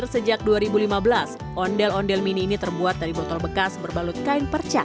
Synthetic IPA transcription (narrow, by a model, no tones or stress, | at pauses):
rsəd͡ʒak̚duaɾibulimabəlas | ʔɔndɛlɔndɛlminiːnit̪ərbuat̪̚daɾibɔt̪ɔlbəkasbərbalʊt̪̚kaɪnpərt͡ʃa̰